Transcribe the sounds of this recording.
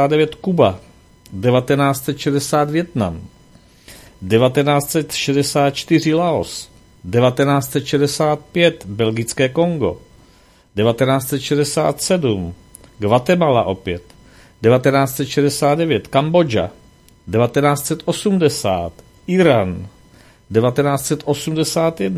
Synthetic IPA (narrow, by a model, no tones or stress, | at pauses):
aːdɛvjɛt̪kuba | dɛvat̪ɛnaːt͡st̪sɛt̪ʃɛdɛsaːt̪vjɛt̪na̰m | dɛvat̪ɛnaːt͡st̪t͡ssɛt̪ʃɛdɛsaːt̪̚t͡ʃt̪ɪr̝ɪlao̞̰s | dɛvat̪ɛnaːt͡st̪sɛt̪ʃɛdɛsaːt̪̚pjɛt̪bɛlɡɪt͡skɛːko̞ŋɡo̞̰ | dɛvat̪ɛnaːt͡st̪sɛt̪ʃɛdɛsa̰ːt̪sɛdum | ɡvat̪ɛmalaʔo̞pjɛt̪ | dɛvat̪ɛnaːt͡st̪sɛt̪ʃɛdɛsaːd̪̚dɛvjɛt̪kambo̞d͡ʒa̰ | dɛvat̪ɛnaːt͡st̪t͡sɛt̪ʔo̞sumdɛsa̰ːt̪ | ʔɪɾan | dɛvat̪ɛnaːt͡st̪t͡sɛt̪ʔo̞sumdɛsaːt̪jɛdn